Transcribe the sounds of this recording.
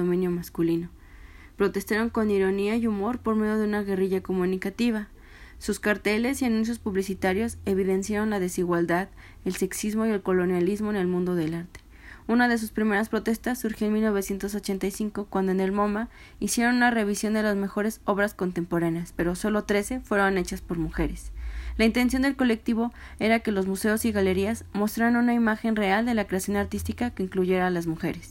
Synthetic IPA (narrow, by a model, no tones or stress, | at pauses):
omĩnjomaskulino | pɾo̞t̪e̞st̪aɾo̞ŋko̞niɾo̞niajumo̞ɾpo̞ɾme̞ðjo̞ðeunaɣe̞riʝako̞mũnikat̪iβ̞a | suskaɾt̪e̞le̞sianũns̬jo̞spuβlisit̪aɾjo̞se̞β̞iðe̞nsjaɾo̞nlað̞e̞siɣwald̪að | else̞ksizmo̞ie̞lko̞lo̞njalizmo̞ene̞lmũnd̪o̞ðe̞laɾt̪e̥ | unað̞e̞s̬uspɾime̞ɾaspɾo̞t̪e̞st̪asːuɾxjoenmilno̞β̞e̞sjent̪o̞s̬o̞t͡ʃe̞nt̪ajsiŋkokwand̪oene̞lmo̞ma | isje̞ɾo̞nunare̞β̞isjo̞nd̪e̞lazme̞xo̞ɾe̞so̞β̞ɾasko̞nt̪e̞mpo̞ɾaneaspe̞ɾo̞so̞lo̞t̪ɾe̞se̞fwe̞ɾone̞t͡ʃaspo̞ɾmuxe̞ɾeslaint̪e̞ns̬jo̞nd̪e̞lko̞le̞k̚t̪iβ̞o̞ | e̞ɾake̞lo̞zmuse̞osiɣale̞ɾiazmo̞st̪ɾaβanũnaimaxe̞nre̞ald̪e̞lakɾe̞asjo̞naɾt̪ist̪ikakeiŋkluʝe̞ɾaːlazmuxe̞ɾe̞s